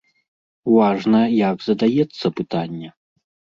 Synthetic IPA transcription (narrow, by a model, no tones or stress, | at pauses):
vaʐnɐjaɡzɐd̪ajɛt̪sːɐpɨt̪anʲːɛ